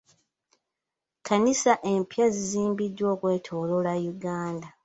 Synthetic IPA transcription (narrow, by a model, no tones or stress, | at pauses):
kanisaʔe̞mpjaziziːmbidːwo̞ːkwe̞ːtʰo̞ːlo̞lajuɡaːnda